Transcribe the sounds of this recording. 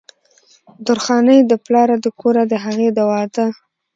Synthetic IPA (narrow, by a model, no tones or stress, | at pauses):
d̪ʊɾxɑnəjd̪əplɑɾad̪əkʰoɾad̪əɦaɣed̪awɑd̪a